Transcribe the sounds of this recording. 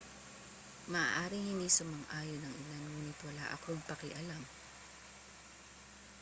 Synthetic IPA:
mɐʔa̰ːʔaːɾɪŋhɪnisɐmɐŋʔaːjonɐŋɪlanŋuːnɪt̪wɐla̰ʔɐ̰koŋpɐkɪʔɐlam

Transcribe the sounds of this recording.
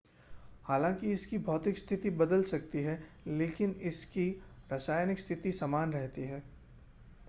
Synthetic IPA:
haːlãːkiɪskibʱɔːt̪ɪkst̪ʰɪt̪ibɐd̪əlsɐk̚t̪iɦɛ | leːkɪnɪskiɾasaːjnɪkst̪ʰɪt̪isamaːnɾɛɦt̪iɦɛː

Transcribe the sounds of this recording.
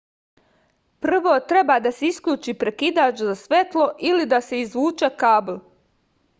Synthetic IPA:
pr̩ʋo̞ːt̪ɾe̞baːd̪aseiskʎʲuːt͡ʃiːpɾe̞kid̪aːt͡ʃzasʋe̞t̪lˠo̞ʔilid̪ase̞izʋuːt͡ʃekaːblˠ

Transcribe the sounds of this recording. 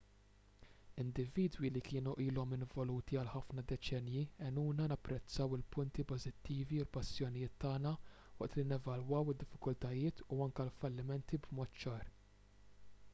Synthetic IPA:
ɪnd̪ɪviːd̪wilikɪːnuʔiːlɔmɪnvɔluːt̪iɐlħɐfnɐd̪ɛt͡ʃɛnjiɛnuːnɐnɐpːɾɛt͡sːɐwɪlpʊnt̪ipɔzɪt̪ːiːviʊlpɐsːjɔnijɪːt̪ːɐːnɐ | wɐ̰ʔt̪linɛvɐlwɐwɪd̪ːɪfːɪkʊlt̪ɐjɪːt̪uɐŋkɐlfɐlːɪmɛnt̪ibmɔːt̪t͡ʃɐːɾ

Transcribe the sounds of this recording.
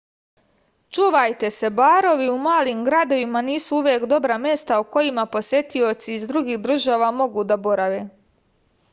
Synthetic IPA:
t͡ʃuːʋajt̪e̞se̞baːɾo̞ʋiumaːlimɡɾad̪o̞ʋimaniːsuuʋjeːkd̪o̞bɾamje̞st̪auko̞jimapo̞sje̞t̪io̞t̪siːzd̪ɾuɡiːxd̪ɾr̩ʒaːʋamo̞ɡuːd̪abo̞ɾaʋe̞ː

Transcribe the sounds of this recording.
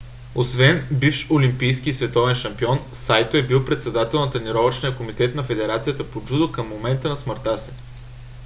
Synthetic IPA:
osvɛnbifʃolimpijskisvɛt̪ɔvɛnʃɐmpiɔn | sajt̪oɛbilˠpɾɛt̪sɛd̪at̪ɛlˠnɐt̪ɐniɾɔvət͡ʃnʲijəkomit̪ɛt̪nɐfɛd̪ɛɾat̪sijət̪əpod͡ʒud̪okɐmːomɛnt̪ənɐsməɾt̪asi̥

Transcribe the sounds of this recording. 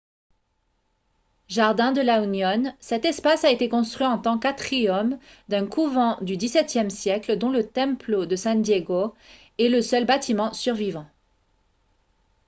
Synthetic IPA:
ʒaʁd̪ɛ̃d̪əlaunjɔnsɛt̪ɛspasaet̪ekɔ̃st̪χɥiɑ̃t̪ɑ̃kat̪χiɔmd̪ɛ̃kuvɑ̃d̪yd̪isɛt̪jɛmsjɛkld̪ɔ̃lət̪ɛ̃plod̪əsɛ̃d̪jeɡo | ɛləsœlbat̪ʰimɑ̃syʁvivɑ̃

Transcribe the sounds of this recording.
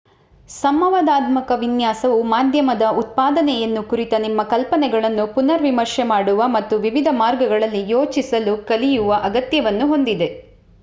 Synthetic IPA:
sɐmɐʋaːd̪aːd̪mɐkɐʋinjaːsɐʋumaːd̪ʱjɐmɐd̪ɐut̪̚paːd̪ɐnɛjɐnːukuɾit̪ɐnimːɐkɐlpɐnɛɡɐɭɐnːupunɐɾʋimɐɾʃɛmaːɽuʋɐmɐt̪ːuʋiʋid̪ʱɐmaːɾɡɐɡɐɭɐlːijoːt͡ʃisɐlukɐlijuʋɐʔɐɡɐt̪jɐʋɐnːuɦo̞nd̪id̪e̞

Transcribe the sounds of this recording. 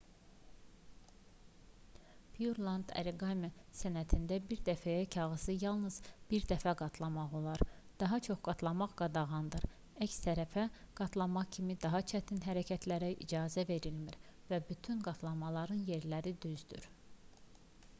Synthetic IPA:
pʰijuɾlˠɑnd̪æ̰ɾiɡɑmesænæt̪ʰind̪æbiɾd̪æfæjæcʰɑʁɯsɯjɑlˠnɯz̥b̥iɾd̪æfæɡɑt̪ʰlˠɑmɑʁo̞lˠɑɾ | d̪̥ɑɦɑt͡ʃʰo̞χɡ̥ɑt̪ʰlˠɑmɑʁɡ̥ɑd̪ɑʁɑnd̪ɯɾ | æcst̪ʰæɾæfæɡ̥ɑt̪ʰlˠɑmɑχcʰimid̪ɑɦɑt͡ʃʰæt̪ʰinɦæɾæcʰæt̪ʰlæɾæʔḭd͡ʒɑːzæve̞ɾilmiɾvæbyt̪ʰynɡɑt̪ʰlˠɑmɑlˠɑɾɯnje̞ɾlæɾid̪yzd̪y̰ɾ

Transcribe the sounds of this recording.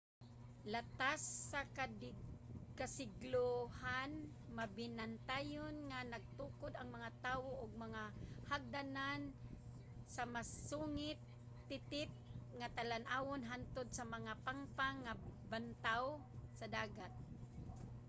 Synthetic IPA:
lat̪asːak | kasɪɡlohan | mabɪnant̪ajʊnŋanaɡ̚t̪uːkʊd̪aŋmaŋat̪aːwoʔʊɡ̚maŋahaɡ̚d̪anan | samasuŋɪt̪ː | ɪt̪ɪp̚ŋat̪alanʔaːwonɦant̪ʊd̪̚samaŋapaŋpaŋabant̪aw | sad̪aːɡat̪̚

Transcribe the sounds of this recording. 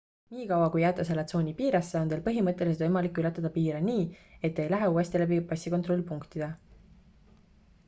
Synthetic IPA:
niːkɑwɑkujːæt̪ːˑɑs̬elɑt̪so̞ːnʲipiːɾɑsːeo̞ne̞ːlpɤɦimɤt̪ːˑe̞lʲiset̪ojmɑlikːˑylet̪ːˑɑd̪̥ɑpiːɾeniːe̞t̪ːe̞jlæɦeuːe̞st̪ilæbipɑsʲːikot̪ro̞lʲːˑpuŋkt̪id̪̥e

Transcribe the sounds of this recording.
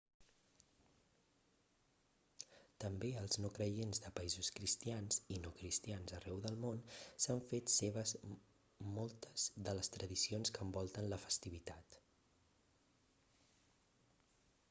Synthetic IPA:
t̪əmbeəlˠznokɾəjenzðəpəizuskɾist̪ianzinokɾist̪ianzərɛwðəlˠmonsaɱfet̪seβəz | mɔlˠt̪ə̥z̥ðələst̪ɾəðisionskəmbɔlˠt̪ənləfə̥st̪iβ̞it̪at̪

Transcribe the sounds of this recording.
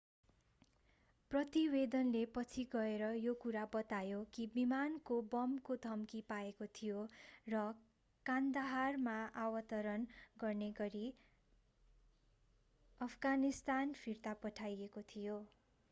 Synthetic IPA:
prʌt̪ibed̪ʌnlepʌt͡sʰiɡʌeɾʌjokuɾabʌt̪ajokibimankobʌmkod̪ʱʌmkipaekot̪ʰijorʌ | kand̪aɦarmaawʌt̪ʌɾʌnɡʌrneɡʌɾi | ʌpʰɡanist̪anpʰirt̪apʌʈʰajekot̪ʰijo

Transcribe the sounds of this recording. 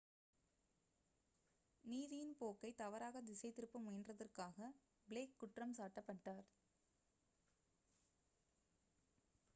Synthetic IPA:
niːðɪjɪnpoːkːɐɪt̪ɐʋɐɾaːɣɐd̪ɪsɐɪt̪ːɪɾɯpːɯmʊjɐndrɐðɐrkaːɣɐ | bɪleːkːʊʈrɐmsaːʈːɐpːɐʈːaːɾ

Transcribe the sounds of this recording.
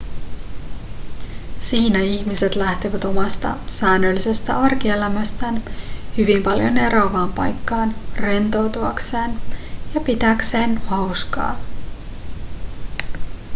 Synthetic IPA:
siːnæiçmise̞t̪læht̪eʋæt̪o̞mɑst̪ɑ̰sæːnːølːise̞st̪æ̰ʔɑrkie̞læmæst̪ænhyʋimpɑljo̞̰ne̞ɾɑːʋɑːmpɑ̰jkːɑːnre̞nt̪o̞wt̪uɑkse̞ːnjɑpit̪ækse̞ːnhɑwskɑ̰ː

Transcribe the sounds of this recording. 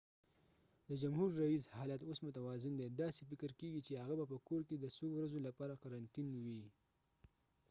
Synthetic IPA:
d̪əd͡ʒamɦuɾːaishɑlat̪osmʊt̪awɑzɪnd̪ed̪ɑsefɪkəɾkeɡit͡ʃehaɣabapəkoɾked̪əsowɾazolapɑɾaqaɾant̪inwi

